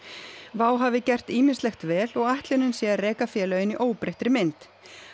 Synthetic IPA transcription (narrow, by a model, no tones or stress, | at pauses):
vaːwɦavɪcɛr̥t̪iːmɪnst̪lɛxt̪vɛːlɔɣaht̪lɪnʏnsjɛːrɛːkafjɛːlœjɪniʔoːwpɾeht̪ɾɪmɪnt̪